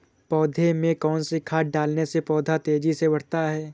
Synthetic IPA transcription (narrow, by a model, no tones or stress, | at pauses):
pɔːd̪ʱemẽkɔːnsekʰaːɖaːlnesepɔːd̪ʱat̪eːd͡ʒisebɐɽ̤t̪aɦɛː